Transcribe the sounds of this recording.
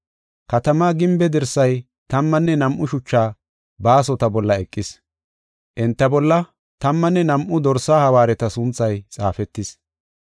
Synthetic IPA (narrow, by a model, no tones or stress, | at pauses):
kɐt̪ɐmaːɡɪmbɛd̪ɪɾsɐj | t̪ɐmːɐnːɛnɐmʔʊʃʊt͡ʃːaː | baːs̬ɔt̪ɐbɔlːɐɛkʼːɪs | ʔɪnt̪ːɐbɔlːɐ | t̪ɐmːɐnːɛnɐmʔʊd̪ɔɾsaːhɐwaːɾɛt̪ɐsʊnt͡sːɐjt͡sʼaːfɛt̪ːɪs